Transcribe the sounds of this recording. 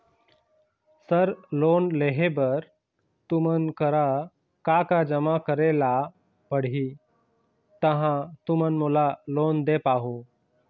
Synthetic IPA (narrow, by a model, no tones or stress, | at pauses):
səɾlonleɦebəɾ | t̪umənkəɾa | kakad͡ʑəmakəɾela | pəɽɦi | t̪əɦãt̪umənmulalond̪epaɦo